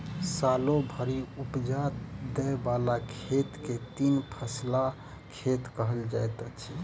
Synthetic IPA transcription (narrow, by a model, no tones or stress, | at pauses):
salobʱəɾiupd͡ʒat̪d̪ɛbalakʰet̪ket̪inpʰəsla | kʰet̪kəɦəld͡ʒajt̪ət͡ʃʰi